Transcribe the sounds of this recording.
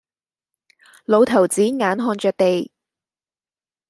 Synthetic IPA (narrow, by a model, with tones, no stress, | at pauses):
lo˨˧wt̪ʰɐ˨˩wt͡siː˨˥ŋaː˨˥nɦɔː˧nt͡ʃœː˨˧k̚t̪e˨j